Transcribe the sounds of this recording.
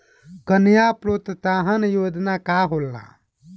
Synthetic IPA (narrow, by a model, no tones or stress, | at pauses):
kənjapɾot̪t̪aɦənjod̪nakaɦolːa̰